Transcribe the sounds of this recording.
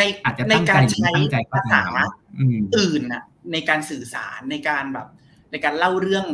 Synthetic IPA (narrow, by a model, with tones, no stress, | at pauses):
na˧jaː˨˩t̪̚t͡ɕa˨˩na˧jŋkaːa˧jnt͡ɕʰa˧ja˧ja˧sa̰ː˨˩˦a˦˥ʔɯː˨˩ʔɯː˨˩nʔa̰˨˩ | na˧jkaː˧nsɯː˨˩sa̰ː˩˦nːa˧jkaː˧nbɛː˨˩p̚ | na˧jkaː˧nla˥˩wɾɯ˥˩əŋ